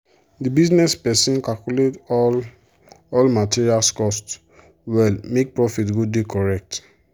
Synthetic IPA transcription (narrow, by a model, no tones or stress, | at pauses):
dibiznɛspɛsĩnkalkuletɔ | ɔlmatiɹialskɔst | wɛlmek̚pɹɔfitɡodekɔɹɛk̚t